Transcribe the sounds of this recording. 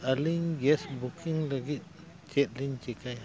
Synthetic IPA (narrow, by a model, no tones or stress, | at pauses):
aliɲɡɛsbukʰiŋlaɡit̪̚ | t͡ʃɛt̪̚liɲt͡ʃikaj